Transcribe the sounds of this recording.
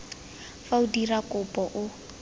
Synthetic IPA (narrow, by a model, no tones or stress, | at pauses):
faudirakʼʊpʼɔʔʊ